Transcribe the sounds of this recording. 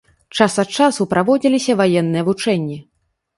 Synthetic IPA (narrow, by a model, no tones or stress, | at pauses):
t͡ʂasɐt̪̚t͡ʂasupɾavɔd͡zʲilʲisʲɐvajɛnːɨjɐvut͡ʂɛnʲːi